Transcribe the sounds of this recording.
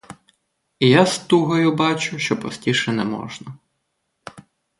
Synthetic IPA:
ijast̪uɦɔjʊbɑt͡ʃʊʃt͡ʃɔpɔ̰sʲtʲiʃɛnɛmɔ̰ʒnɐ

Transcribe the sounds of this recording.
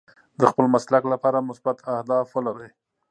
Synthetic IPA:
d̪əxpəlmaslaklapɑɾamʊsbat̪ʰahd̪ɑfwəlaɾəj

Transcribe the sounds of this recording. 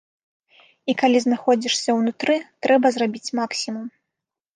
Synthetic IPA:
ikalʲiznaxɔd͡zʲiʂsʲɐwnut̪ɾɨt̪ɾɛbɐzrabʲit͡sʲmaksʲimum

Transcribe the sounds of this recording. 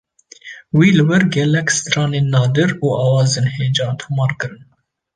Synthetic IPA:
wiːlɨwɛɾɡɛlɛkst̪ɾɑːneːnːɑːd̪ɨɾuːʔɑːwɑːzeːnheːd͡ʒɑ̃ːnt̪ʰumɑːɾkɨɾɨn

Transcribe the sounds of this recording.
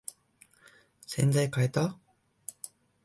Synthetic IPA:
send͡ʑajkaet̪a

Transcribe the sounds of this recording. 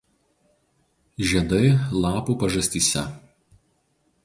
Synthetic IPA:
ʒʲiɛd̪ɐɪlˠɑːpuːˑpɐʒɐsʲt̪ʲiːsʲɛ̰

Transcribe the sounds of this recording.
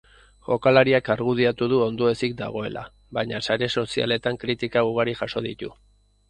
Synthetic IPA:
ʝo̞kalaɾiakaɾɣuð̞iat̪uð̞uo̞nd̪oe̞sik̚d̪a̰ɣ̞o̞e̞lʔa̰ | βaɲasaɾe̞so̞sia̰le̞t̪aŋkɾit̪ikauɣ̞aɾiʝaso̞ð̞it̪u

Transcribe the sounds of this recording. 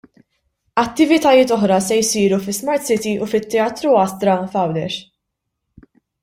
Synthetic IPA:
ɐt̪ːɪvɪt̪ɐjɪːt̪ɔħɾɐsɛjsiːɾufɪsmɐɾt̪sɪt̪iʔufɪt̪ːɛɐːt̪ɾuɐst̪ɾɐfɐwd̪ɛ̰ɾ

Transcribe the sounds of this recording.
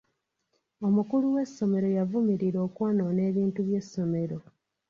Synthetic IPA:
omukuluwe̞sːo̞me̞ɾo̞javumiɾiɾo̞ːkwano̞ːne̞ːβiːntuβje̞sːo̞me̞ɾo̞

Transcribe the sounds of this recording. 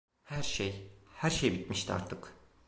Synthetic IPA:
hæɾʃejhæɾʃejbit̪̚miʃt̪ʰia̰ɾt̪ʰɯk

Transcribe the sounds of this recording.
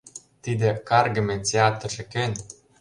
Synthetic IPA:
t̪id̪ĕkɑrɡɤ̆mĕt͡seɑt̪ə̆ʒĕkenʲ

